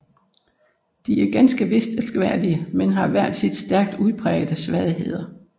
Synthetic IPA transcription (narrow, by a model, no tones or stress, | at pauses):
d̥iæɐɡ̥ænsɡ̥əʋe̝sd̥ʰelsɡ̥ʋæɐ̰d̥iəmenɦɑ̈ʋæɐ̰d̥sid̥sd̥æɐɡ̥̚d̥uð̞ˠpʰʁɛ̰ːɪd̥əsʋæðˠiɦe̝ð̞̰ˠɐ